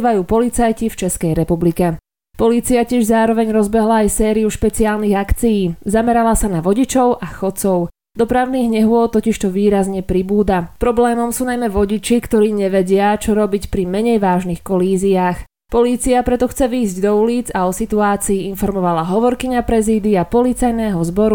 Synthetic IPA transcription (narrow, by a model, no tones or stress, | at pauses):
ʋajuːpɔlit͡sajcift͡ʃɛskɛjɾɛpublikɛ | pɔliːt͡siacɪɛʒzaːɾɔʋɛɲɾɔzbɛɦlaːjsɛːɾiuʃpɛt͡siaːlniɣakt͡sijiːzamɛɾalasanaʋɔɟit͡ʃɔʊʔaxɔt̪t͡sɔʊ | d̪ɔpɾaʊniːɣɲɛɦʊɔt̪ːɔciʃt̪ɔʋiːɾazɲɛpɾibuːd̪apɾɔblɛːmɔmsuːnajmɛʋɔɟit͡ʃikt̪ɔɾiːɲɛʋɛɟɪat͡ʃɔɾɔbicpɾimɛɲɛjʋaːʒnixkɔliːziaːx | pɔliːt͡siapɾɛt̪ɔxt͡sɛʋiːzɟd̪ɔuliːd͡zaɔsit̪uaːt͡siːinfɔɾmɔʋalaɦɔʋɔɾkiɲapɾɛziːd̪iapɔlit͡sajnɛːɦɔzbɔɾu